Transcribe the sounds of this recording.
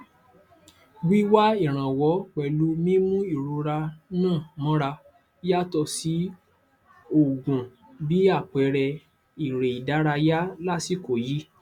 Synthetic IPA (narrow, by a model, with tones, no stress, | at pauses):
ɡ͡bi˦wa˦i˦˨ɾ̃ã˨wɔ˨˦k͡pɛ˨lu˨˦mĩ˦mũ˦i˦˨ɾu˧ɾa˧nãː˦˨mɔ̃˨˦ɾa˧ | ja˦tɔ˧si˨˦ | o˨ɡũ˨ | bi˨˦a˦˨k͡pɛ˨˦ɾɛ˧ | i˨ɾe˨i˨da˨˦ɾa˧ja˦la˦si˦ko˨ji˦